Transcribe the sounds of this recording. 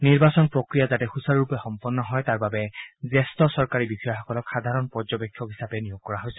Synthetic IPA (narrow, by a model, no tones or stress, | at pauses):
niɹbasɔnpɹɔkɹijazatɛhusaɹupɛxɔmpɔnːɔɦɔjtaɹbabɛzɛstɔsɔɹkaɹibikʰɔjaxɔkɔlɔkxad̪ʱaɹɔnpɔɹzɔbɛkʰːjɔkɦisapɛnijoɡ̚kɔɹaɦojsɛ̥